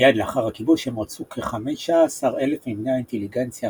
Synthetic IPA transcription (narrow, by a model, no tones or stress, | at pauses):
jadleaχaʁhakibuʃhemʁat͡sukʰeχameʃasaʁelefnivneainteliɡent͡sja